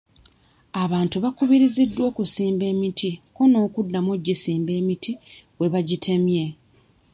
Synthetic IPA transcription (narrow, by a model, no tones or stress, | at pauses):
aβaːntuβakuβiɾizidːwo̞ːkusiːmbe̞ːmitʰiko̞no̞ːkudːamoɟːisiːmbe̞ːmitʰiwe̞βaɟitʰe̞mje̞